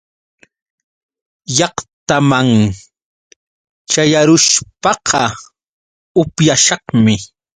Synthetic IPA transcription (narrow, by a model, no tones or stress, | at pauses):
jɑqt̪amaŋ | t͡ʃajaɾʊʃpɑqʰɑ | ʊpjaʃɑχmɪ